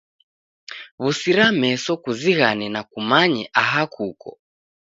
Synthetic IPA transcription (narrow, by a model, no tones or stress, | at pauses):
βusiɾamɛsɔkuziɣanɛnakumaɲɛʔaɦakʰukɔ̰